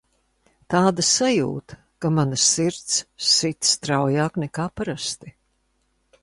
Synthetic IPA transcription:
t̪aːd̪asajṵːt̪ | kamanasiɾt̪ssit̪st̪ɾawjaːknɛkaːpaɾast̪i

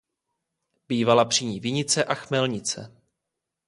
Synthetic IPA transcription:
b̥iːvalapr̝̥iɲiːvɪɲɪt͡sɛʔaxmɛlɲɪt͡sɛ̰

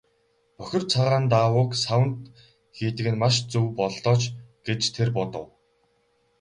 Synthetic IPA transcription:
pœxʲɪ̆rt͡sʰaʁaːnt̪aːwʊːksawə̆nt̪ | xiːt̪ɘ̆kɘ̆nmaʃt͡suwpɔɮt̪ɔːt͡ɕɡ̥et͡ɕt̪ʰerpɔt̪ɞ̆w

